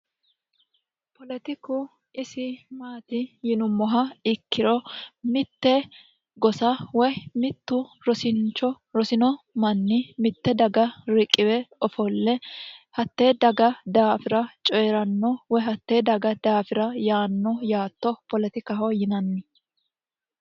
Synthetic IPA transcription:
pɔlɛt̪ɪkʊ | ʔɪsɪmaːt̪ɪjɪnʊmːɔɦɐɪkːɪɾɔmɪt̪ːɛ | ɡɔsɐwɔjmɪt̪ːʊɾɔsɪnt͡ʃːɔ | ɾɔsɪnɔmɐnːɪmɪt̪ːɛd̪ɐɡɐɾɪkʼːɪwɛɔfɔlːɛhɐt̪ːeːd̪ɐɡɐd̪aːfɪɾɐt͡ʃʼɔjɛɾɐnːɔwɔjɦɐt̪ːeːd̪ɐɡɐd̪aːfɪɾɐjaːnːɔjaːt̪ːɔpɔlɛt̪ɪkɐɦɔjɪnɐnːɪ

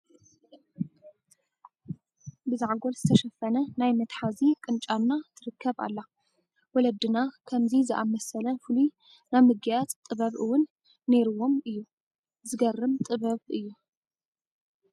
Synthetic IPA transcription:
bɨzaʕɡo̞lzɨt̪ʰɐʃɐfɐnɐnajmɐt̪ħazikʼɨnt͡ʃʼannat̪ʰɨɾɨkʰːɐβa̰lːa | wɔlɐd̪ɨnakʰɐmzizɨʔamɐsɐlɐfɨlu | namɨɡajat̪ʼt̪ʼɨβɐβɨwʊnː | e̞ɾɨwo̞mɨjːu | zɨɡɐrːɨmt̪ʼɨβɐβɨjːu

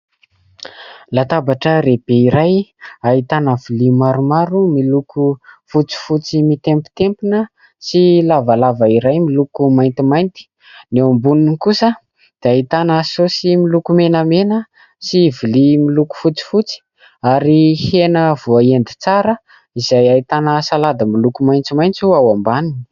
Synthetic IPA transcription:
lat̪abaʈ͡ʂəɾeb̥eiɾajaɦit̪anəvilimaɾumaɾumilukufut͡si̥fut͡simit̪empu̥t̪empunə | silavalavəiɾajmilukumajnt̪imajnt̪i̥ | neumbuninnkusə | d̪̥eaɦit̪anasosimilukumenəmenə | sivilimiluku̥fut͡si̥fut͡si̥ | aɾihenəv̥uaend̪it͡saɾə | izajait̪anəsalad̪əmilukumajnt͡simajnt͡suawambanini̥

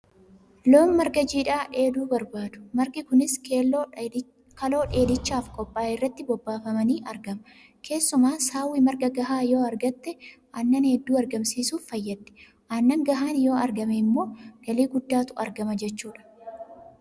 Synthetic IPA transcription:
lo̞ːnmɐɾɡɐd͡ʒiːᶑaːᶑeːd̪uːbɐɾbaːd̪ʊ̥mɐɾɡɪkʊnɪs | kɐlo̞ːᶑe̞ːd̪ɪt͡ʃːaːfkʼɔpʼːaːɪrːɐt̪ːɪbɔbːaːfɐmɐniːʔɐɾɡɐmɐ | kʰe̞ːsːʊmaːsaːwːɪmɐɾɡɐɡɐɦaːjo̞ːɐɾɡɐt̪ːɛʔɐnːɐnhɛd̪ːuːɐɾɡɐmsiːsuːfːɐjːɐd̪ːɛ̥ | ʔɐnːɐŋɡɐɦaːnjo̞ːɐɾɡɐmɛɪmːo̞ːɡ̥ɐliːɡʊd̪ːaːt̪ʊɐ̰ɾɡɐmɐd͡ʒɛt͡ʃːuːᶑɐ̥

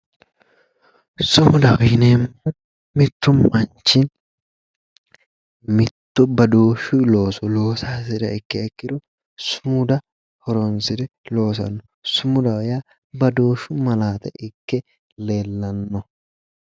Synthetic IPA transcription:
sʊmʊd̪ɐwjɪneːmːɔ | mɪt̪ːʊmmɐnt͡ʃːɪn | mɪt̪ːɔbɐd̪o̞ːʃʊlo̞ːsɔlo̞ːsaːsɪd̪ɐɪkːɛɛkːɪd̪ɔ | sʊmʊd̪ɐ | hɔɾɔnsɪd̪ɛlo̞ːs̬ɐ̰nːɔ | sʊmʊd̪ɐwja | bɐd̪o̞ːʃʊmɐlaːt̪ɛ̰ʔɪkːɛ | le̞ːlːɐnːɔ

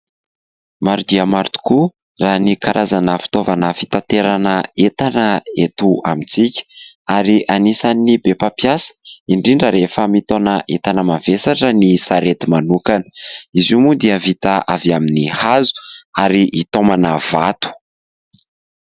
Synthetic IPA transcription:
maɾud̪iamaɾt̪u̥ku | ranikaɾʔazanəfi̥t̪ovanəfi̥t̪ant̪eɾanəet̪anəet̪uamit͡sikʲə̥ | aɾiʔanisanibepapjasə̥iɳɖ͡ʐiɳɖ͡ʐəɾefəmit̪onəʔet̪anəmavesaʈ͡ʂənisaɾet̪imanukanə̥izumud̪iəvit̪aʔaviaminihazu̥aɾiʔit̪omanəvat̪u̥

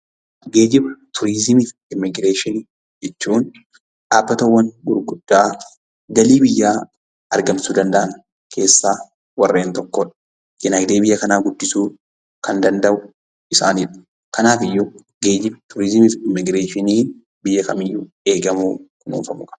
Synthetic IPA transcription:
ɡe̞ːd͡ʒɪbɐt̪ʰʊɾizɪmɪf | ɪmːɪɡɾeːʃɪn | d͡ʒɛt͡ʃːuːn | ᶑaːbːɐt̪ɐwːɐnɡʊɾɡʊd̪̥ːaː | ɡɐliːbɪjːaː | ɐɾɡɐmsuːd̪ɐnd̪ɐʔɐn | kʰe̞ːsːaː | wɐrːe̞ːnt̪ɔkːoːᶑɐ | jɪnɐːɡd̪eːbɪjːɐkɐnaːɡʊd̪ːɪsuː | kɐnd̪ɐnd̪ɐʔʊ | ɪsa̰ːniːᶑɐ̥ | kɐnaːfɪjːʊ | ɡe̞ːd͡ʒɪbt̪ʰʊɾɪzɪmɪfɪmːɪɡɾe̞ːʃɪniːn | bɪjːɐkɐ̰mɪjːʊ | e̞ːɡɐmuːkʊnṵːfɐmʊkʼɐ̥

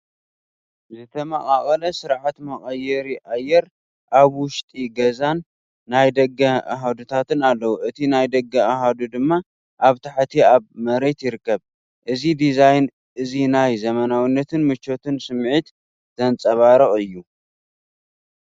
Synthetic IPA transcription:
zɨt̪ʰɐmɐ̰χʼaχʼɐlɐsɨɾʕat̪mɐχʼɐjɛɾiʔajːɛɾ | ʔaβwʊʃt̪ʼiɡɐzanː | ajd̪ɐɡːɐʔa̰ɦad̪ut̪ʰat̪ʰɨnalːɐwuʔɨt̪ʰinajd̪ɐɡːɐaɦad̪ud̪ɨmːa | ʔaβt̪ʰaħt̪ʰiaβmɐɾe̞t̪jɪɾɨkːɐβ | ʔɨzid̪izajn | ʔɨzinajzɐmɐnawinːɐt̪ʰɨnmɨt͡ʃːo̞t̪ɨnsɨmʕit̪ | z̥ɐnt͡sʼɐβaɾɐχʼɨjːu

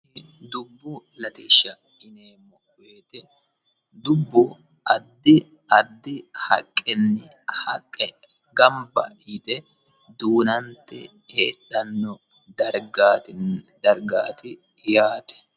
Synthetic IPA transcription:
d̪ʊbːʊlɐt̪ɪːʃːɐ | ɪneːmːɔ | weːt̪ɛ | d̪ʊbːʊ | ɐd̪ːɪ | ɐd̪ːɪhɐ̰kʼːɛnːɪ | hɐ̰kʼːɛ | ɡɐmbɐ̰jɪt̪ʼɛ | d̪uːnɐnt̪ɛ̰ | eːᶑɐnːɔ | dɐɾɡ | d̪ɐɾɡaːt̪ɪ | jaːt̪ɛ̥

